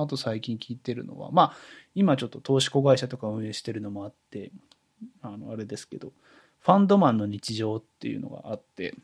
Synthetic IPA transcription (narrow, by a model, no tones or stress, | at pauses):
at̪o̞saikʲĩŋkʲiːt̪e̞ɾɯ̟̰no̞̰βa̰maimat͡ɕo̞t̪ːo̞t̪o̞ːɕi̥ko̞ɡaiɕat̪o̞kaɯ̟̃ɰ̃e̞ːɕi̥t̪e̞ɾɯ̟no̞mo̞at̪ːe̞ | ano̞aɾe̞d̪e̞sɨ̥ke̞d̪o̞ | ɸãnd̪o̞mãnːo̞ɲ̟it͡ɕiʑo̞ːt̪ːe̞̰jɯ̰no̞̰ɡa̰ʔat̪ːe̞̰